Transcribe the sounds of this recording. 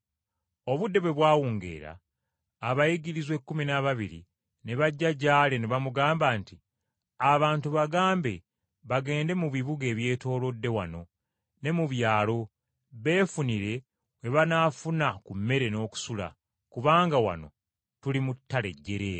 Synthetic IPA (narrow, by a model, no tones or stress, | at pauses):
o̞βudːe̞βwe̞βwaːwuːŋɡe̞̰ːɾa̰ː | βajiɡiɾizwe̞kːuminaβaβiɾḭ | neβaɟːaɟaːle̞neβamuɡaːmbaːnti | aβaːntuβaɡaːmbe̞ | βaɡe̞ːnde̞muβiβuɡe̞ːβje̞ːto̞ːlo̞dːe̞wa̰no̞ | ne̞muβjaːlo̞ | βe̞ːfuniɾe̞ | we̞βanaːfunakumːe̞ɾe̞no̞ːku̥sula̰ | kuβaːŋɡawa̰no̞̰ | tulimutːale̞̰ɟːe̞ɾe